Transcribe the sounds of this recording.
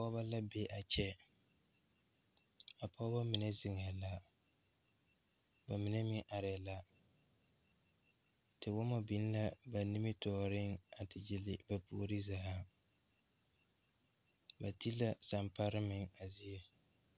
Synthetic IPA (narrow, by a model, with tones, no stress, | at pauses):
a˨pɔ˦ba˦la˦be˦ʔa˨t͡ʃɛ˦ | a˨pɔ˦ba˦mɪ˨nɛ˦zɪ˨ŋɛ˨la˦ | ba˨mɪ˨nɛ˦mɪ˦ŋʔa˨ɾɪ˨la˦ | tɪ˨wɔ˦ma˦bi˨n˦la˦ba˨nɪ˦mɪ˦tɔː˨ɾɪ˦ŋa˨tʰɪ˨d͡ʒɪ˨lɪ˨ba˨pu˨ɾi˦zaː˨a˦ | ba˨ti˦la˦sa˨mpa˦ɾɪ˦mɪ˨ŋa˨zi˦ɛ˦